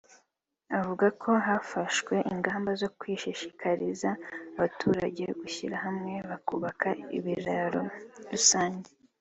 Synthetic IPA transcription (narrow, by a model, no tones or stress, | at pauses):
avuɡakʰo̞ɦafaʃwe̞ʔiŋɡaːmbazo̞kwiːʃiʃikʰaɾizaːβatʰuːɾaɟe̞ɡuçiɾaɦamŋe̞βakuβakaḭβiɾaɾoɾusaːɲɟe